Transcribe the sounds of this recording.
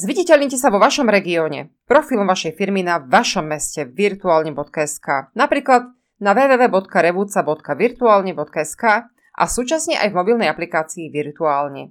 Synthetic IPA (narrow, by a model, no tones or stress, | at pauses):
zʋiɟɛcɛʎɲicɛsaʋɔʋaʃɔmɾɛɡiɔːɲɛ̰pɾɔfiːlˠɔmʋaʃɛjfiɾminaʋaʃɔmːɛscɛʋiɾt̪uaːlɲɛbɔt̪kaɛskaːnapɾiːklad̪ | naʋɛːʋɛːʋɛːbɔt̪kaɾɛʋuːt͡sabɔt̪kaʋiɾt̪uaːlɲɛbɔt̪̚kaɛskaː | ʔa̰suːt͡ʃasɲɛʔa̰jvmɔbilnɛjaplikaːt͡siːʋiɾt̪uaːlɲɛ̰